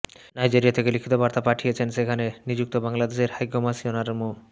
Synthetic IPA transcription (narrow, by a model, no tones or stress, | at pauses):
najd͡ʑiɾijat̪ʰekelikʰit̪obaɾt̪apaʈʰijet͡ɕʰenʃekʰanenid͡ʑuk̚t̪obaŋlad̪eʃeɾhajɡʱomasionaɾemu